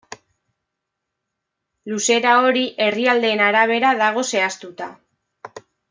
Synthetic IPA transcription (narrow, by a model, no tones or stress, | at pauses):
luse̞ɾao̞ɾiʔe̞riald̪e̞ːnaɾaβ̞e̞ɾaðaɣ̞o̞se̞ast̪ut̪a